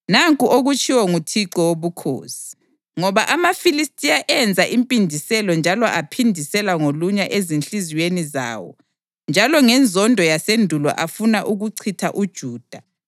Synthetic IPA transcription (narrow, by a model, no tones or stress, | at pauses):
naŋkʼuʔoɣut͡ʃʰʼiwɔŋutʰiǀɔwoβukʰo̰ːsi̥ | ŋɔβaʔamafilistʼiaʔɛnd͡zʱaʔimpʼindʱisɛlɔnd͡ʒʱalɔʔapʰindʱisɛlaŋoluɲaʔezinɬiziweniza̰ːwɔ̰ | nd͡ʒʱalɔŋɛnd͡zʱɔndʱɔjasendʱulɔ̰ʔafunaʔuɣuǀʰitʰa̰ʔud̥ʒ̥ʱuːd̥ʱa